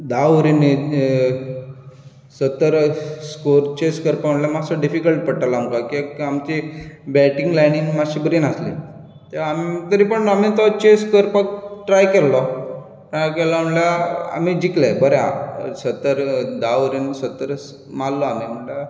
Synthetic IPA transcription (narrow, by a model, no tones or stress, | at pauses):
d̪auɾini | sət̪ːəɾskoɾt͡ɕeskəɾpaməɳljamasɔɖifikəlʈ̚pəɽʈalaːmkakiamt͡ɕibɛʈĩŋɡlajniŋɡmaɕibəɾinaslḭ | t̪eamit̪əɾiːpəɳamit̪ɔt͡ɕeskəɾpak̚ʈɾajkɛlːɔ | ʈɾajkɛlam̤əɳljaa̰m̤id͡ʑiklabəɾja̰sət̪ːəɾd̪aɾinsət̪ːəɾəs | malːɔamim̤əɳla